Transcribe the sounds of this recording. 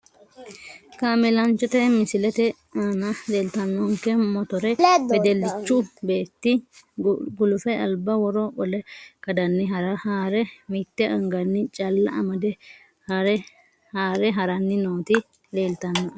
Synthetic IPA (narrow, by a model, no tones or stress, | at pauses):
kaːmɛlɐnt͡ʃːɔt̪ɛmɪsɪlɛt̪ɛ | aːnɐleːlt̪ɐnːɔŋkːɛmɔt̪ɔɾɛɛd̪ɛlːɪt͡ʃːʊbe̞ːt̪ːɪ | ɡʊlʊfɛɐ̰lbɐwɔɾɔbɔlɛkɐd̪ɐnːɪɦɐɾɐhaːɾɛmit̪ːɛɐŋɡɐnːɪt͡ʃʼɐlːɐʔɐmɐd̪ɛ | hɐɾɛ | haːɾɛɦɐɾɐnːɪnoːt̪ɪ | le̞ːlt̪ɐnːɐɐ